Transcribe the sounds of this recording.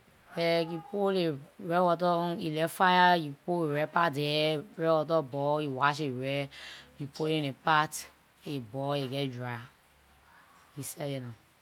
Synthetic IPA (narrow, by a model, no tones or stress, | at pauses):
ɛkipoleɾɛwɔt̬ɔilɛfajakipoeɾɛpatɛɾɛwɔt̬ɔbɔiwaʃeɾɛipolenepat | ebɔeɡɛd͡ʒɾa | isɛjenã